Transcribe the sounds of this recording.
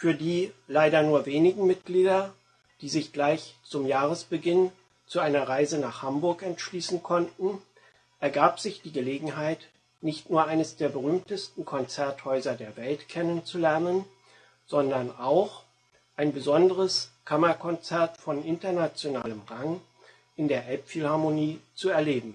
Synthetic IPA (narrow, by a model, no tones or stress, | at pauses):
fyːɐdiːlaɪɾɐnuːɐveːnɪɡŋ̩mɪt̚ɡ̥liːdɐ | d̥iːzɪçɡ̥laɪçt͡sʊmjaːʁəsb̥əɡɪn | t͡suʔaɪnɐʁaɪzənaːχhambʊɐkɛntʃliːsn̩kʰɔntn̩ | ʔɛɐɡaːpz̥ɪçd̥iːɡəleːɡŋ̩ɦaɪt | nɪçtnuːɐʔaɪnəsd̥eːɐbəʁyːmtəstn̩kʰɔnt͡sɛɐthɔʏzɐdeːɐvɛltkʰɛnənt͡sulɛɐnən | z̥ɔndɐnaʊx | ʔaɪnbəzɔndəʁəskʰamɐkʰɔnt͡sɛɐtfɔnʔɪntɐnat͡sjona̰ːləmʁaŋ | ʔɪndeːɐʔɛlpfilhaɐmoniːt͡suɛɐleːbm̩